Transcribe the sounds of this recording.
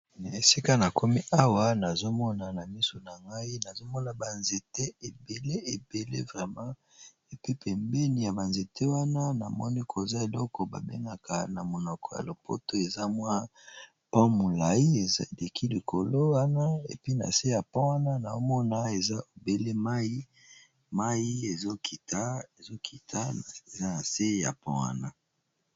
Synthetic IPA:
e˨si˦ka˦na˨kʰo˦mi˦ʔa˦wa˦na˨zo˦mɔ˦na˨na˨mi˦so˨na˨ŋɡa˦i˦na˨zo˦mɔ˦na˨ba˨nze˨te˦e˨be˨le˦e˨be˨lḛ˦vʁɛ˨mã˦ | e˨pi˦pʰɛ˨mbe˦ni˨ja˨ba˨nze˨tʰe˦wa˦na˦na̰˨mɔ̰˦ni˦kʰo˨za˦e˨lɔ˦kɔ˨ba̰˨bḛ˦ŋɡa˨kʰa˨na˨mo˨nɔ˨kʰɔ˨ja̰˨lo˨po̰˦to˦e˨za˦mwa˦ | pɔ̃˦mo˨la˨ji˦e˨zle˨kʰi˦li˨kʰo˨lo˦wa˦na˦ḛ˨pi˦na̰˨se˦ja˨pɔ̃˦wa˦na˦na˨o˦mɔ˦na˦e˨za˦o˨be˦le˦ma˦i˦ | ma˦ji˦e˨zo˦ki˨ta˦˨zo˦kʰi˨tʰa˦˨e˨za˦na˨se˦ja̰˨pɔ̰̃˦wa̰˦na˦

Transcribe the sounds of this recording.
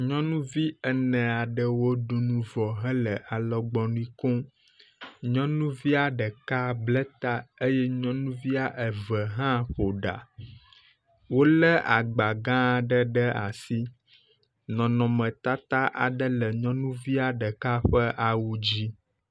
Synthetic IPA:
ɲɔ̃˦nũ˦vi˦ɛ˦nɛ̃˨a˨ɖə˦wo˦ɖo˨nũ˦vɔ˨ɦɛ̃˦lə˨ʔa˨lɔ˨ɡ͡bɔ˨ñ˦ĩ˦kõ˦ | ɲɔ̃˦nũ˦vi˦a˨ɖə˨ka˦blɛ˦t̪a˦e˦jɛ˦ɲɔ̃˦nũ˦vi˦a˨ʔə˨və˨ɦã˦ɸo˨ɖa̰˨ | wo˦lə˦ʔa˨ɡ͡ba˨ɡã˦˨ɖə˦ɖə˦a̰˨si˦ | nɔ̃˨nɔ̃˨mə̃˨t̪a˦t̪a˦ʔa˨ɖə˦lə˨ɲɔ̃˦nũ˦vi˦a˨ɖə˨ka˦ɸə˦ʔa˨wu˦d͡ʑi˦

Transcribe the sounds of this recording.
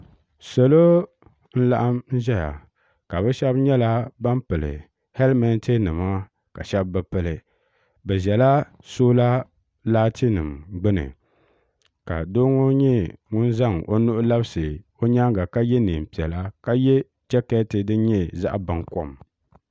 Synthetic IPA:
so˨lo˦ | n̩˦la̰˦ʔa˦mn̩˦ʒɛ˦ja̰˨ | ka˨bɛ˦ʃɛ˦bɲɛ˦la˦ba˦mpɨ˨lɨ̰˨ | hɛ˦lmɛ˦n˦ti˦nɨ˨ma˦ | ka˨ʃɛ˦bbɛ˦pɨ˨lɨ˨ | bɛ˨zɛ˨la˦ | soː˦la˦ | laː˦ti˦nɨ˨mɡ͡bɨ˦nɨ̰˨ | ka̰˨do˦ŋo˦ɲɛ˦ŋʊ˦n˦za˦˨ŋʔo˦nʊ˦ʔʊ˦la˦bsɨ˨ | o˦ɲa˦ŋɡa˨ka˦jɛ˦ni˨m˨pi˨ɛ˨la˦ka˦jɛ˦ | d͡ʒɛ˦kɛ˦tɨ˨dɨ˦ɲɛ˦za̰˦ʔba˨ŋko˦m

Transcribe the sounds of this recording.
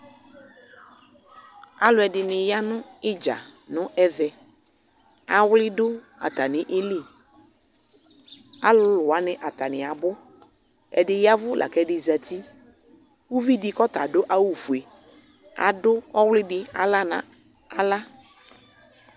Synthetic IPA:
a˦lʊ˨˦ɛ˨dɪ˨nɪ˨ja˦nʊ̃˦ɪ˦d͡ʒa̰˨nʊ̃˦ʔɛ˨ðɛ˨ | a˨wlɪ˦dʊ˦ | a̰˨ta˨nɪ˨ʔe˦li˦˨ | a˦lʊ˦lʊ˨a˦nɪ˨ʔa˨ta˨nɪ̃˨a˨bʊ˦ | ɛ̰˨dɪ˨ja˦vʊ˦lʔa̰˨kɛ˦dɪ˨za˨ti˦ | wu˦vi˦dɪ˨kɔ˦ta̰˨dʊ˦ʔa˦wu˨fu˨e˨ | a̰˨dʊ˦ɔ˦wlɪ˦dɪ˦a̰˨la˦nã̰˨ | a˦la˦

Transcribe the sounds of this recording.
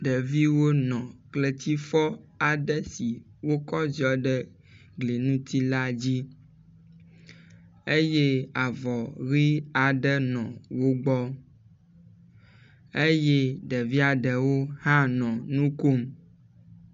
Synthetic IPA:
ɖɛ˨vi˦wo˦nɔ̃˨kle˨t̪i˦fɔ˦a˨ɖɛ˦si˨ | wo˦kɔ˦zi˨ɔ˨ɖɛ˦ | ɡle˨nũ˦t̪i˦la˦d͡ʑi˦ | e˦je˦a˨vɔ˨ɣi˦a˨ɖɛ˦nɔ̰̃˨wo˦ɡ͡bɔ˦ | e˦je˦ɖɛ˨vi˦a˨ɖɛ˨wo˦hã˦nɔ̃˨nũ˦ko˦m

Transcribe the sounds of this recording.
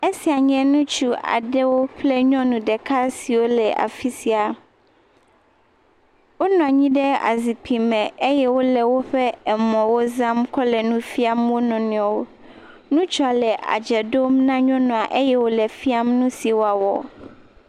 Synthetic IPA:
e˦si˨a˨ɲɛ̃˦nũ˦t͡ʃu˦a̰˨ɖɛ˦wo˦ɸlɛ˦ɲɔ̃˦nũ˨ɖɛ˨kʰa˦si˨wo˦lɛ˨ʔa̰˨fi˦si˨a˨ | wo˦nɔ̃˨a˨ɲĩ˦ɖɛ˦a̰˨zi˨pʰi˨mɛ̃˨e˦jɛ˦wo˦lɛ˨wo˦ɸɛ˦ɛ˨mɔ̃˨wo˦zã˦mkʰɔ˦lɛ˨nũ˦fi˦a˦mwo˦nɔ̃˨nĩ˨ɔ̃˨wo˦ | nũ˦t͡ʃɔ˦a˨lɛ˨ʔa̰˨d͡ʒɛ˨ɖo˦mnã˦ɲɔ̃˦nɔ̃˨a˨ʔe˦jɛ˦wo˦lɛ˨fi˦a˦mnũ˦si˨wo˦a˨wɔ̰˨

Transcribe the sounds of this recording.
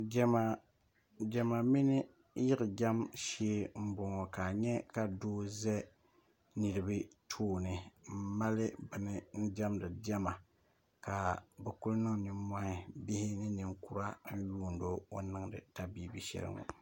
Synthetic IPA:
d͡ʒɛ˦ma˨ | d͡ʒɛ˨ma˨mi˦nɪ˦ | jɪ˦ɣɪ˨d͡ʒa˦mʃeː˦m̩˦bʊ˨ŋɔ˨ka˨ɲɛ˦ka˨doː˦zɛ˦ | ni˨ɾɨ˨bɨ˦tʰoː˦nɨ˨m̩˦ma˦lɨ˦bɨ˨nɨ˨n̩˦d͡ʒa˦mdɨ˨d͡ʒɛ˦ma˨ | ka˨bɛ˨ku˦lnɨ˦ŋ˨nɨ˨˦m˦a˦hɪ˨bi˦hɪ˦nɨ˦nɨ˨ŋku˦ɾa˦n̩˦juː˦˨ndo˦o˦nɨ˦˨ŋdɨ̰˨ta˦biː˦bi˨ʃɛ̰˨ɾɨ̰˦ŋɔ̰˨

